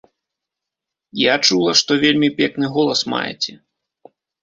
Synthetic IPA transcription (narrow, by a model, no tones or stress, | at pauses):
jat͡ʂulˠɐʂt̪ɔvʲelʲmʲipʲɛknɨɣɔlˠɐsma̰jɛ̰t͡sʲɛ